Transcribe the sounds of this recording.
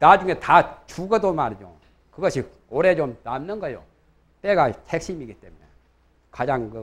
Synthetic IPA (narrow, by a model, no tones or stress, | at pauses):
nad͡ʑuŋɦe̞tat͡ɕuɡʌdomaɾid͡ʑo̰ | kɯɡʌɕʰi | oɾe̞t͡ɕomnamnɯnɡʌjo̰ | p͈eɡahek̚ɕ͈imiɡit͈emine | kad͡ʑaŋkɯ